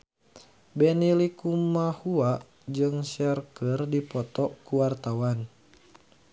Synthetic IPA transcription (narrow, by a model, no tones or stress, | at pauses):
bɛnilikumahuaʔ | d͡ʒɨŋʃɛrkərdipɔt̪ɔkuwart̪awan